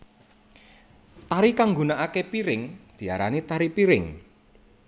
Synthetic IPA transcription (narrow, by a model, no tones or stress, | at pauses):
t̪aɾikaŋɡunaʔakepiɾɪŋd̪̥i̤aɾa̰nit̪aɾipiɾɪŋ